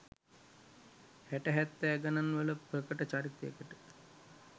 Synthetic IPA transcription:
hæʈəɦæt̪ːɛːɡananʋələprəkəʈət͡ʃaːɾit̪ejə̰kəʈə

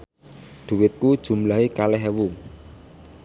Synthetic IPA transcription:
d̪̥ṳwɪt̪̚kud̥ʒ̥ṳmlaɦikalɛɦɛwu

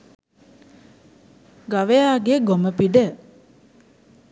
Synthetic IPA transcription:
ɡaʋejaːɡeɡoməpiɖə

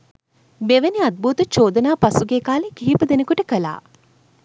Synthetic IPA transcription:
beʋeniad̪̚buːt̪ut͡ʃoːd̪ənaːpasuɡeːkaːlekiɦipud̪enəkuʈəkəla̰ː

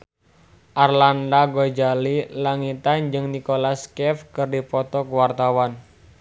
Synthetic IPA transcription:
ʔarlandaɡod͡ʒalilaŋit̪and͡ʒɨŋnikolaskɛfkɨrdipɔt̪ɔkuwart̪awan

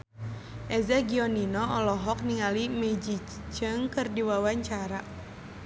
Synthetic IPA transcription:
ʔɛzaɡiɔninɔɔlɔɦɔk̚niŋalimed͡ʒi | t͡ʃəŋkɨrdiwawaɲt͡ʃaɾa

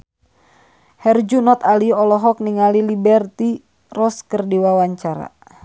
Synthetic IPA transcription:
hɛrd͡ʒunɔt̪aliɔlɔɦɔk̚niŋalilibɛrt̪i | rɔskərdiwawaɲt͡ʃaɾa̰

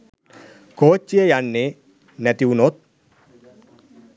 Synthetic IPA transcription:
koːt͡ʃːiejanːɪ | nɛt̪iwunot̪̚

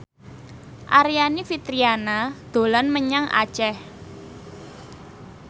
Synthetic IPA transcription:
ʔaɾijanifit̪ɾianad̪̥o̤lɔnməɲaŋʔa̰̥t͡ʃɛh

